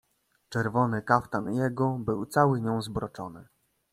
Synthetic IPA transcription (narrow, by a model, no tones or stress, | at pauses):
t͡ʂɛɾvɔnɘkaft̪anjɛɡɔbɘwt̪sawɘɲɔ̃w̃zbɾɔt͡ʂɔnɘ